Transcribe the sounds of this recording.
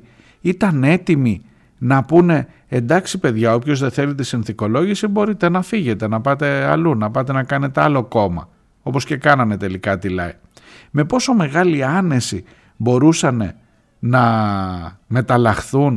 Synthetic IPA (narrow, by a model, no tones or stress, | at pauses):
it̪ɐne̞t̪imi | nɐpune̞ | end̪ɐksipe̞ðʝɐo̞pço̞zðe̞θe̞lit̪isinθiko̞lo̞ʝisibo̞ɾit̪e̞nɐfiʝe̞t̪e̞nɐpɐt̪e̞ɐlunɐpɐt̪e̞nɐkɐne̞t̪e̞ɐlo̞ko̞mɐ̰ | o̞po̞sce̞kɐnɐme̞t̪e̞likɐt̪ilɐ̰i | me̞po̞so̞me̞ɣɐliɐne̞si | bo̞ɾusɐne̞ | nɐ | me̞t̪ɐlɐxθun